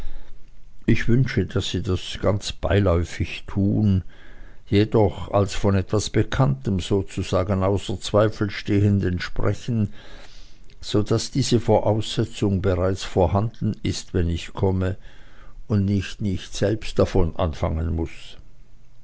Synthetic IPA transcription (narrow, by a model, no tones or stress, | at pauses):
ʔɪçv̥ʏnʃədasːiːdasɡ̥ant͡sb̥aɪlɔʏfɪçtʰuːn | jedɔχa̰lsfɔnɛtv̥asb̥əkʰantəmz̥oːt͡suz̥aːɡənaʊsɐt͡sv̥aɪfl̩ʃteːəndənʃpʁ̥ɛçn̩ | z̥od̥asd̥iːzəfoːɐʔaʊsz̥ɛt͡sʊŋbəʁaɪt͡sfoːɐhandn̩ɪstvɛnɪçkʰɔmə | ʊndnɪçtnɪçtz̥ɛlpst̚d̥afɔnʔa̰nfa̰ŋənmʊs